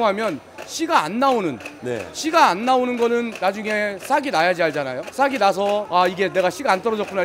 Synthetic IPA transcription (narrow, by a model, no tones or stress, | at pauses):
ŋɦamjʌn | ɕʰiɡa̰ːnːaonɯnnḛɕʰiɡaːnːaonɯnɡʌnɯnːad͡ʑuŋe̞sʰaɡinajad͡ʑiaɭd͡ʑ͈anajosʰaɡinas̬ʰʌaiɡe̞ne̞ɡaɕʰiɡaant͈ʌɾʌd͡ʑʌk͈una